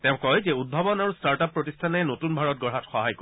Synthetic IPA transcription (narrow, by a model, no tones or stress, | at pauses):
tɛʊ̃kɔjzɛud̚bʱabɔnaɹustaɹtapːɹotistʰanɛnotunbʱaɹɔt̚ɡɔɹɦatxɔɦajko